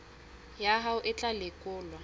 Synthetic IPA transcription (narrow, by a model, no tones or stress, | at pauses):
jaɦaʊʔɪt͡ɬʼalɪkʼʊːlwa